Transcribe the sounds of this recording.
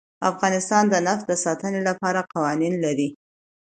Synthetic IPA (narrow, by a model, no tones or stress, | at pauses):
a̰fɣɑnɪst̪ɑnd̪ənafd̪əsɑt̪ənelapɑɾaqɑwɑninlaɾi